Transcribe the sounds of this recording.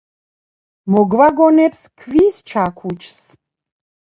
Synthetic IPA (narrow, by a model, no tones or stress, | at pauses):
mɔɡvaɡɔnɛpskʰviːst͡ʃʰakʰut͡ʃʰs